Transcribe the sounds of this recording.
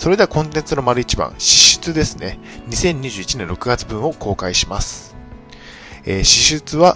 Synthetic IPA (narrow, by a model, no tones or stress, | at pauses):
so̞ɾe̞d̪e̞akõ̞nt̪ẽnt͡sɨno̞maɾɯ̟it͡ɕibã̰ɰ̃ɕi̥ɕɨ̥t͡sɨd̪e̞sɨne̞ | ɲ̟isẽ̞ɲ̟iʑɨːit͡ɕinẽ̞nɾo̞kɯ̟ɡat͡sɨbɯ̃ɰ̃o̞kʰo̞ːkaiɕimasɨ̥ | eːɕiɕɨt͡sɨβa